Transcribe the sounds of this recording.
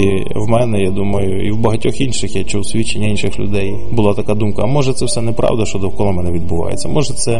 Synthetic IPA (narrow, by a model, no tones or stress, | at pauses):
i | wmɛnɛjad̪umɐjʊiwbɐɦɐtʲɔxinʃɪxjat͡ʃuwsʲʋʲit͡ʃenʲːɐinʃɪxlʲʊ̰d̪ɛj | bʊlˠɑt̪ɐkad̪umkɐːmɔʒɛt̪sɛwsɛnɛpɾʔɑ̰wd̪ɐʃt͡ʃɔd̪ɔwkɔlˠɐmɛnɛʋʲid̪̚bʊʋɑ̰jḛtt͡sʲːɐmʔɔʒɛt̪sɛ